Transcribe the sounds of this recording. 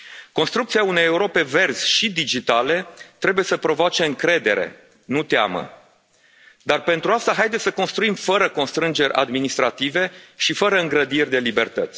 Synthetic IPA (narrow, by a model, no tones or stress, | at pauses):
ko̞nst̪ɾukt̪siaune̞jeuɾo̞pe̞ve̞rz̥ʲʃid̪id͡ʒit̪ale̞t̪ɾe̞buje̞səpɾo̞voat͡ʃe̞ɨŋkɾe̞d̪e̞̰ɾe̞̰ | nut̪ea̰mə̰ | d̪arpe̞nt̪ɾuast̪aɦajd̪esʲsəko̞nst̪ɾuimfəɾəko̞nst̪ɾɨnd͡ʒe̞ɾʲʔa̰d̪minist̪ɾat̪ive̞ʃifəɾəɨŋɡɾəd̪irʲd̪e̞libe̞rt̪ət̪sʲ